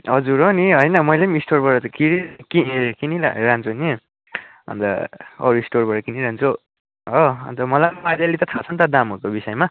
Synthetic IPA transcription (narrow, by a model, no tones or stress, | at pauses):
ɦʌd͡zuɾoniɦʌjnʌmʌjlemisʈorbʌɾʌt̪kiɾikikinila̰ɾant͡sʰuni | ɦʌ̰nt̪ʌ̰ʌ̰ɾuisʈorbʌɾʌkiniɾant͡sʰo | ɦoʌ̰nt̪ʌmʌlanmadjalit̪ʌt̪ʰat͡sʰʌnt̪ʌd̪amɦuɾkobisʌjma